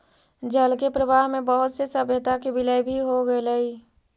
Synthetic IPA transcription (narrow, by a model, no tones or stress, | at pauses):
d͡ʒəlkepɾəʋaːɦmẽbəɦʊt̪sesəbjət̪akebɪləjbʱiɦoɡəeləi